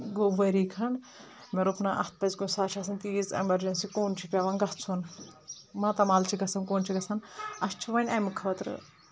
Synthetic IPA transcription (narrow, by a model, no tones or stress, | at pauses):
ɡoːʋɐɾikʰɐɳ | meɾupnaʔɐt̪̚pɐzkonsaːt͡ʃʰɐsʰɐnt̪iːzɐ̰mɐɾd͡ʒensikoːnt͡ʃʰipʲaʋanɡɐɦt͡sʰun | mɐt̪ɐmaːlt͡ʃʰiɡɐsʰɐnkoːnt͡ʃʰiɡɐsʰɐnɐst͡ʃʰiʋɐnʲɐmkʰɐt̪ɾɨ̰